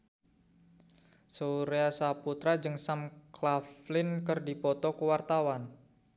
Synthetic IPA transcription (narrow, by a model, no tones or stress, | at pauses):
soɾeasaput̪ɾad͡ʒɨŋsamklaflɪnkərdipɔt̪ɔkəwart̪awan